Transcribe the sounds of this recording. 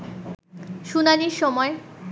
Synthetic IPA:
ʃunaniɾʃɔmɔe

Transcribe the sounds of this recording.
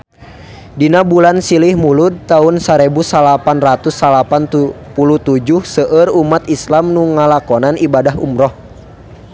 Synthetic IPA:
dinabulansilihmulud̪̚t̪aunsaɾɛbusalapanrat̪usːalapant̪pulut̪ud͡ʒuhsəʔərumat̪islamnuŋalakɔnanibadaɦṵmɾɔh

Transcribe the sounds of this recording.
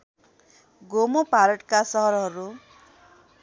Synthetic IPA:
ɡomopaɾʌʈkasʌɦʌɾʌɦʌɾu

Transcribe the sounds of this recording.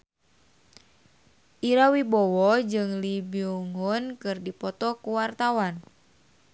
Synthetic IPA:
ʔiɾawibɔwɔd͡ʒɨŋlibiuŋɔnkɨrdipɔt̪ɔkuwart̪awan

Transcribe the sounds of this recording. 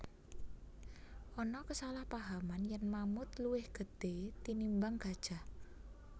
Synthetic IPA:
ʔɔnɔkəsalahpaɦamanjanmamʊt̪luwɪhɡ̥ə̤d̪̥et̪inimbaŋɡ̥a̤d̥ʒ̥a̤h

